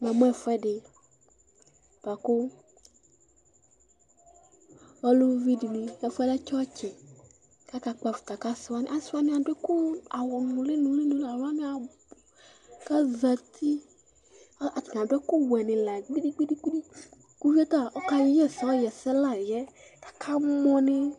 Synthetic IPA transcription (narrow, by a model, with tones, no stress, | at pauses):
ma˨m˦ɛ˦˨fɛ˦ɖɪ˨ | b̥a˨kʊ˦ | ɔ˦lʊ˦vi˦di˨ni˨ɛ˨fɛ˦la˦t͡ʃɔ˦t͡ʃɛ˨ | ka˦ka˨k͡pa˨fi̥˨t̪a˨ka˦sa˦nɪ̰̃˦ʔa˨sa˦nɪ̃˦a˨dɛ˦kʊ˦a˨wɔ˨nũ˨lɪ˦nũ˨le˦nũ˨la˨wa˦nɪ̃˦a˨ | ka˦za˨t̪ʰi˦ | a˨tdɛ˦kʊ˦wɛ˨nɪ̃˨la˨ɡ͡bi˦di˦ɡ͡bi˦di˦ɡ͡bi˦di˦ | ku˦vi˦ɛ˦t̪a˦˨ɔ˦ka˦jjɛ˦sɔ˨˦ɔ˦jɛ˨sɛ˦la˦˨jɛ˦ | kḁ˨kʰa˦mɔ̃˦nɪ˦